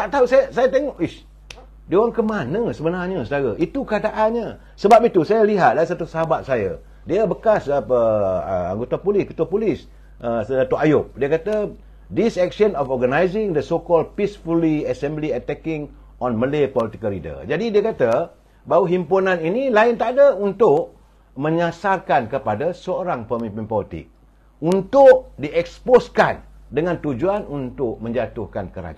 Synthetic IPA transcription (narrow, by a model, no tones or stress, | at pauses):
t̪aʔt̪ausajəsajat̪eŋɔʔi | diowaŋkəmanəsəbənaɲəsədaɾəʔit̪ukəɦadaʔanɲə | səbap̚it̪usajaliɦat̪̚dais̬at̪usəɦabat̪̚sajə̰ | diabəkasəpəə̰a̰ŋɡot̪apulɪskət̪uapulɪs | əsat̪uʔajop̚diəkat̪ə | disɛk̚ʃənɔfɔrɡənajzɪŋd̪əsokɔl̚pisfuliasɛ̃mbliat̪ɛkɪŋ | ɔ̃nmə̃lepɔlit̪ikəlidə̰d͡ʒadidiəkat̪ə | bawuɦimpunãninilaɪnt̪adəunt̪ʊʔ̚ | mə̃ɲasarkankəpadasəoɾaŋpəmĩmpɪnpɔlit̪ɪ̰k̚ | unt̪ʊʔ̚diʔɛksposkandəŋãnt̪ud͡ʒuanunt̪ʊʔ̚mə̃ɲd͡ʒat̪ʊhkankəɾa̰d͡ʒ